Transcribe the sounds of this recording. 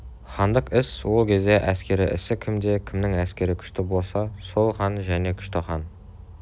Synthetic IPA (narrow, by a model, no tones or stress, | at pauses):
χɑnd̪əqɪswo̞lˠkʲʰe̞zd̪e̞ʔæskʲe̞ɾɪʔɪ̰sɪkʲʰɪmd̪e̞kʲʰɪmnɪŋæskʲe̞ɾɪkʲʰʏ̥ʃt̪ɪbo̞lˠsɑso̞lˠχɑnʒæne̞kʲʰʏ̥ʃt̪ɪχɑn